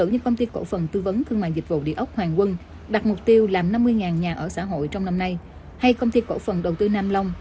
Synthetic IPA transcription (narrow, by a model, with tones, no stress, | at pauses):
ɨ̰˧˨ɲɨ̰˧˥ŋkə˧wŋ͡mt̪i˧ko̰˧˥fə˨˩nt̪ɨ˧və˨˦nt̪ʰɨ˧əŋma̰ː˧˨jzï˨˩k̟̚vṵ˧˨ɗḭ˧˨əʔə˦˥wk͡p̚hwaː˨˩ŋkwə˧n | ɗa˨˩t̚mʊ˨˩k͡p̚t̪i˧əwlaː˨˩mna˧mːɨ˧əjŋaː˨˩nɲaː˨˩ʔəː˧˩sa̰ː˧˥ɦo̰˧˨jt͡ɕɔ˧wŋ͡mna˧mna˧j | ha˧jkə˧wŋ͡mt̪i˧ko̰˧˥fə˨˩nɗə˨˩wt̪ɨ˧naː˧mla˧wŋ͡m